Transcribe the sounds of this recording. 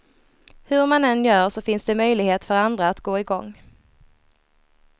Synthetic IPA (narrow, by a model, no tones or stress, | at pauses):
hɵɾmanɛnjœːʂɔfɪnsd̪ɛmœjlɪɡheːt̪fœɾand̪ɾaːt̪ɡoːɪɡɔŋː